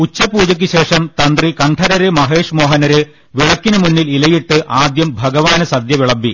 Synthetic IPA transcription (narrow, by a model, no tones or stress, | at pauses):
ut͡ɕːɐpuːd͡ʑɐk̬ʲːiɕe̞ːʂɐmt̪ɐnd̪rikɐɳʈʰɐɾɐɾɨmɐɦe̞ːʂmo̞ːɦɐnɐɾɨ | ʋiɭɐkːinɨmunːililɐjiʈːɨʔaːd̪jɐmbʱɐɡɐʋaːnɐsɐd̪jɐʋiɭɐbːi